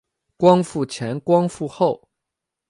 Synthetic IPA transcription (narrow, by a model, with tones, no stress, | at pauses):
kwɑ˥ŋfu˥˩t͡ɕʰjɛ˧˥nkwɑ˥ŋfu˥˧xo˥˨˩ʊ